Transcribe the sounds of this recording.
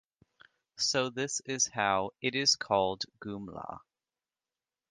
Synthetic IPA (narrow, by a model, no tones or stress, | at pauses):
soʊðɪsɪz̥haʊɨɾɪz̥kʰɔlˠdɡ̥ʉ̃mlɑ̰